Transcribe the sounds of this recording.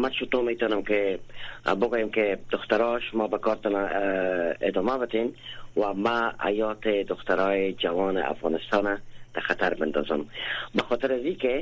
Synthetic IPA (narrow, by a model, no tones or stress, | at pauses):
maʃʊt̪omet̪ɔnəmke | bʊɡojemked̪ʊxt̪aɾɔʃmɔbakɔɾt̪ɔna | ɪd̪ɒmabɪt̪emwamaa̰jɔt̪ed̪ʊxt̪aɾɔːjed͡ʒawɔnɪ̰a̰fɣɑ̰nɪst̪ɔnad̪̥axat̪aɾbɪnd̪ɔ̰zʊmbaxɔt̪ɪɾazike